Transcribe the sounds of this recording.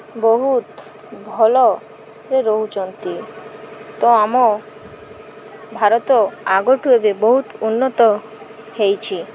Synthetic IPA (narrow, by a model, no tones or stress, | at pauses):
boɦut̪ | bʱɔlo | ɾeɾoɦud͡ʑont̪i | t̪oamo | bʱaɾot̪oaɡoʈɦuebeboɦut̪unːot̪o | hejt͡ɕʰi